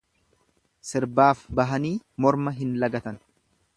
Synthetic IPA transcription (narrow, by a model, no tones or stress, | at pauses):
sɪɾbaːfbɐɦɐniːmɔɾmɐɦɪnlɐɡɐt̪ɐn